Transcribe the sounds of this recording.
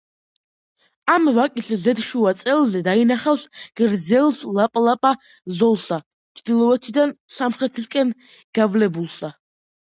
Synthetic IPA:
amvakʼiszɛd̪ʃuat̪sʼɛlˠzɛd̪ainaχafsɡ̥ɾd̪zɛlˠslapʼlˠapʼa | zɔlˠsa | t͡ʃʰd̪̥ilˠɔɛt̪ʰid̪ansamχɾɛt̪ʰiskʼɛn | ɡ̥avlɛbulˠsa

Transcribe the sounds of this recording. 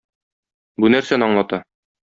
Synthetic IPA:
bunæɾsænɒɴlˠɑt̪ɑ

